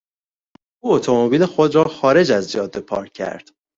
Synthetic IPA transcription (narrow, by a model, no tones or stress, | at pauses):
ʔuːot̪ʰomobiːlexo̞d̪ɾɒːxɒːɾe̞d͡ʒæzd͡ʒɒːd̪epʰɒːɾʰæ̰ɾd̪̥